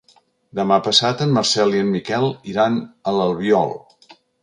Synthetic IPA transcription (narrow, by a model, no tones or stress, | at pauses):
d̪əmapəsat̪əmːəɾsɛliəmmikɛlˠiɾanələlˠβiɔ̰lˠ